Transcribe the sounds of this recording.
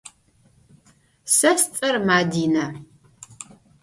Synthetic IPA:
sɐst͡sʼɐrmaːdiːnɐ

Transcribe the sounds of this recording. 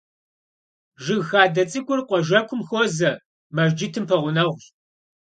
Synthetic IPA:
ʒɪɣxaːdɐt͡sʼɨkʷʼʊrqʷɔʒɐkʷʰʊmxozɐ | mɐʒd͡ʒɪtʰɨmpʰɐʁʷʊnɐʁʷɕ

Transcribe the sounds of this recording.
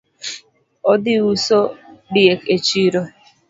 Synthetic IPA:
ɔdɪusodieket͡ʃiɾo

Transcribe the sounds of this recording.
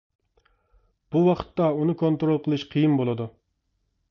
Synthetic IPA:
b̥uwɑqʰə̥t̪ːɑunɨkʰont̪ɾolˠqʰəlˠɨʃqʰijɨmbolˠɨd̪u

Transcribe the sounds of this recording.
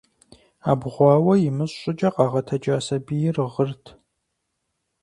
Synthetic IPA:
aːbʁʷɑːwɐjɪmɨɕɕʼɪd͡ʒʼɐqʼɑʁɐtʰɐd͡ʒaːsɐbijɪrɨʁərtʰ

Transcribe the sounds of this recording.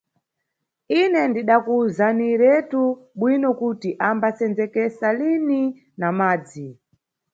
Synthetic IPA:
inɛndiɗakuzaniɾɛtuɓwinɔkutiʔambasɛnd͡zɛkɛsalini | namaːd͡zi

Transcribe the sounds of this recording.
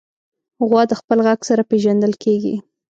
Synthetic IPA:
ɣwɑd̪əxpəlɣaɡsaɾapeʒand̪əlkeɡḭ

